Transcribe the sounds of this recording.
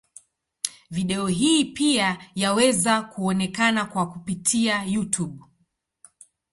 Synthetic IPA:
viɗɛɔɦiːpiajawɛzakuɔnɛkanakwakupitʰiajutuɓ

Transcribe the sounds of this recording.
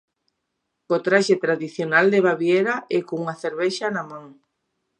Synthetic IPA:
kot̪ɾaʃet̪ɾaðiθjonald̪eβaβjeɾaɛkouŋaθeɾβɛʃanamãŋ

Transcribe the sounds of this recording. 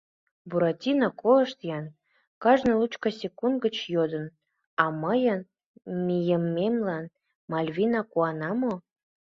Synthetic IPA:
buɾɑtʲinɑkʰoləʃt̪jɑn | kɑʒnɤlut͡ɕkɑsʲekund̪̚ɡət͡ɕjod̪ə̆n | ɑməjən | mʲijəmːemlɑn | mɑlʲvʲinɑkuɑnɑmo

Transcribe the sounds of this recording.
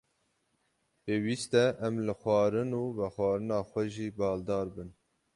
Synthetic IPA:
peːwiːst̪ɛʔɛmlɨxʷɑːɾɨnuːvɛxʷɑːɾɨnɑːxʷɛʒiːbɑːld̪ɑːɾbɨn

